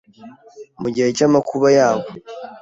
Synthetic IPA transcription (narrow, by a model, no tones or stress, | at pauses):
muɟiɾecamakuβajaːwo